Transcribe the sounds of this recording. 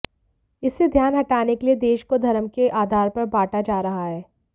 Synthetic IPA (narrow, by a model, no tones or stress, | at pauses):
ɪsːed̪ʱjaːnɦɐʈaːnekelied̪eːʃkod̪ʱɐɾəmkeʔaːd̪ʱaːɾpɐɾbaːʈad͡ʒaːɾɐɦaɦɛː